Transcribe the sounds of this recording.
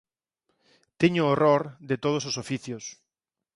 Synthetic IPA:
t̪eɲʊoroɾðet̪oð̞ososofiθjʊs

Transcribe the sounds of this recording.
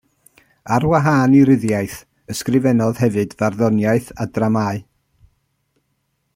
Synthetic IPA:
arwaɦaːniɾɪðjajθ | əskrɪvɛnɔðhɛvɨdvarðɔnjaɨθadramaːɨ

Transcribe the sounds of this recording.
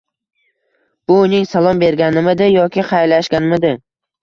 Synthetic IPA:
b̥ʊːnɪŋsalˠɒmbe̞ɾɡʲanɪmɪd̪ɪjɒkʲɪqʰɑjlaʃɡʲanɪmɪd̪ɪ

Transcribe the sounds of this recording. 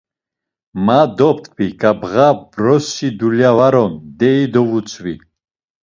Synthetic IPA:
mad̪ɔp̚t̪ʰbikʼabʁabɾɔsid̪uljavaɾɔnd̪ɛid̪ɔvut͡sʰʼvḭ

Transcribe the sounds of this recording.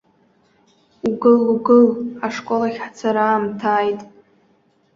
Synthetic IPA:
uɡɨluɡɨlaʂkʷʼolaχʲħt͡sʰaɾaːmtʰaːjtʼ

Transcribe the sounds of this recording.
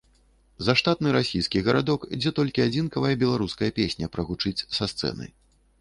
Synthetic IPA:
zɐʂt̪at̪̚nɨɾasʲijskʲiɣɐɾad̪ɔkid͡zʲɛt̪ɔlʲkʲiad͡zʲinkɐvɐjɐbʲɛlˠaɾuskɐjɐpʲesʲnʲɐpɾɐɣut͡ʂɨt͡sʲsɐst̪sɛ̰nɐ̰j

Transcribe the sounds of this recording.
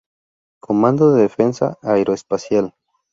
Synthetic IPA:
kʰomãnd̪oðeðefensa̰ajɾoespasjal

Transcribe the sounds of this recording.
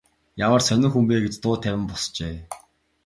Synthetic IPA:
jamə̆rsœnʲɪ̆ŋxumpeːɡet͡ɕt̪ʊːt̪ʰæwʲɪ̆mpɔst͡ɕeː

